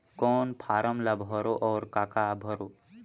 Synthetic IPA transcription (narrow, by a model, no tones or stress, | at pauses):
kɔːnpʰaːɾəmlɐbʱɦɔɾoʔɔːɾkaːkabʱɔɾo